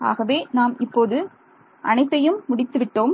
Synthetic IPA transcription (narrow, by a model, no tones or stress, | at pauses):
a̰ːɣɐʋeːnaːmɪpːoːðɯ | ʔɐnɐɪt̪ːɐjɯmːʊɽɪt̪ːɯʋɪʈːoːm